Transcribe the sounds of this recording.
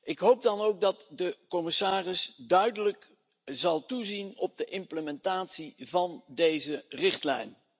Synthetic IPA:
ʔɪkɦowp̚dɑnowɡ̚dɑtdəkɔmɪsaːrɪsdœɥdələk | zɑlˠtuzinɔb̚dəʔɪmpləmɛntaːtsivɑndejzərɪχtlɛ̰jn

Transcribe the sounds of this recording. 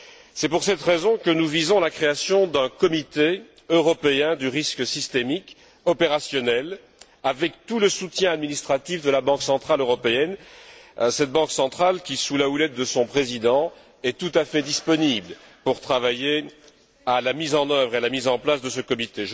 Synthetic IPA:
sɛpuʁsɛt̪ʁezɔ̃kənuvizɔ̃lakχeasjɔ̃d̪ɛ̃kɔmit̪e | øʁɔpeɛ̃d̪yʁisksist̪emik | ɔpeʁasjɔnɛl | avɛk̚t̪uləsut̪jɛ̃ad̪minist̪χat̪ifd̪əlabɑ̃ksɑ̃t̪χaløʁɔpeɛn | sɛt̪̚bɑ̃ksɑ̃t̪χalkʲisulaulɛt̪̚d̪əsɔ̃pχezid̪ɑ̃ | ɛt̪ut̪afɛd̪ispɔnibl | puʁt̪χavaje | alamizɑ̃nœvʁealamizɑ̃plasd̪əsəkɔmit̪eʒ

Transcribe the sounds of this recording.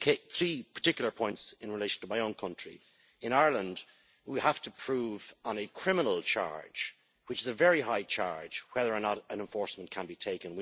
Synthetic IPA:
kʰeθɹipʰə̥˞tɪkjl̩ˠə˞pʰɔ̃ɪ̃ntsɪ̃nɹɨleɪʃə̃n̩tʰəmaɪõʊ̃nkʰʌ̃nt͡ʃɹ̥ḭ | ɨ̃naɪə˞lə̃nd | wihæftəpʰɹ̥uvn̩ɨkʰɹ̥ɪ̃mənəl̩ˠt͡ʃʰɑ̰ɹ̥d͡ʒ̥ | wɨt͡ʃɨzəvɛɹiɦaɪt͡ʃʰɑ̰ɹd͡ʒ̥wɛðə˞ə˞nəɾə̃nɛ̃ɱfɔɹsmə̃nkʰə̃nbitʰeɪkɨ̃nwi

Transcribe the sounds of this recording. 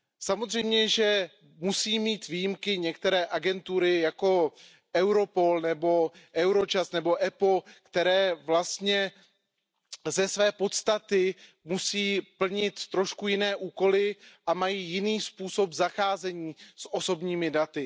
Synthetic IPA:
samozr̝ɛjmɲɛʒɛ | musiːmiːt̪viːjimkɪɲɛkt̪ɛɾɛːʔaɡɛnt̪uɾɪjako̞ | ʔɛwɾo̞po̞lnɛbo̞ʔɛwɾo̞t͡ʃast̪nɛbo̞ʔɛpokt̪ɛɾɛːvlast̪ɲɛ | zɛsvɛːpo̞t̪st̪at̪ɪ | musiːpl̩ɲɪt̪ːɾo̞ʃkujɪnɛːʔuːko̞lɪʔamajiːjɪniːspuːso̞pzaxaːzɛɲiːsʔo̞so̞bɲiːmɪdat̪ɪ

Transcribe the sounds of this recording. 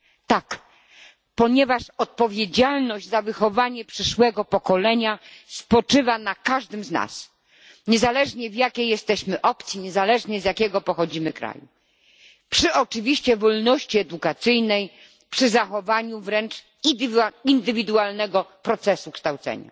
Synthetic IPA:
t̪ak | pɔɲɛvaʂɔt̪̚pɔvʲjed͡ʑalnɔʑd͡ʑzavɘxɔvaɲɛpʂɘʂwɛɡɔpɔkɔlɛɲaspɔt͡ʂɘvanakaʐd̪ɘmzna̰s | ɲɛzalɛʐɲɛvjakʲejɛst̪ɛɕmɘʔɔpt̪sʲjiɲɛzalɛʐɲɛzʲjakʲɛɡɔpɔxɔd͡ʑimɘkɾa̰jṵ | pʂɘɔt͡ʂɘvʲiɕt͡ɕɛvɔlnɔɕt͡ɕiɛd̪ukat̪sɘjnɛj | pʂɘzaxɔvaɲuvɾɛnt͡ʂ̪ | ind̪ɘvʲid̪ualnɛɡɔpɾɔt̪sɛsukʂt̪awt̪sɛ̰ɲa̰

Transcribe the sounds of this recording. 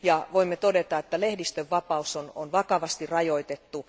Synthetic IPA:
jɑʋoimːet̪odet̪ɑet̪ːælehdist̪øʋːɑpɑusono̰nʋɑkɑʋɑst̪irrɑjoit̪et̪ːu

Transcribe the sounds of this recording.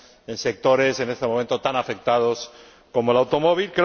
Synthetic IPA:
ense̞k̚t̪o̞ɾe̞se̞ne̞st̪emomẽnt̪ot̪anafe̞k̚t̪að̞o̞s | ko̞molawt̪o̞moβ̞ilkɾe

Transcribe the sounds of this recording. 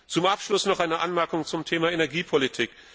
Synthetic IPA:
t͡sʊmʔapʃlʊsnɔχʔaɪnəʔanmɛɐkʊŋt͡sʊmtʰeːmaenɛɐɡiːpʰɔlitʰiːk

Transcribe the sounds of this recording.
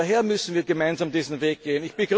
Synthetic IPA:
aɦeːɐmʏsn̩viːɐɡəmaɪnzaːmdiːzn̩veːk̚ɡ̥eːənɪçb̥ɪɡʁ

